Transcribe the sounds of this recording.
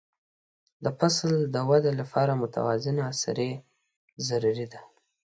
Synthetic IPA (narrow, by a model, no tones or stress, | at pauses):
d̪əpasld̪əwad̪elapʰɑɾamʊt̪ʰa̰wɑzɪnaːsa̰ɾe | zaɾuɾid̪a